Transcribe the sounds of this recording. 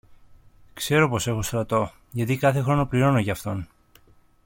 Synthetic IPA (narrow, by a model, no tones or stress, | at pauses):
kse̞ɾo̞po̞se̞xo̞st̪ɾɐt̪o̞ | ʝɐt̪ikɐθe̞xɾo̞no̞pliɾo̞noʝɐːft̪o̞n